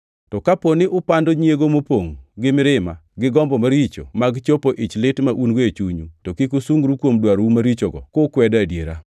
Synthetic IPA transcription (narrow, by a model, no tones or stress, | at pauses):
tɔkaponɪʔʊpandoɲjeɡomopoŋɡɪmɪɾɪma̰ɡɪɡɔmbɔmaɾit͡ʃo̰maɡt͡ʃopoʔit͡ʃlɪtmaʔunɡoet͡ʃuɲutokikusuŋɡɾukwomdwaɾwumaɾit͡ʃoɡɔ̰kokwɛdadjeɾa̰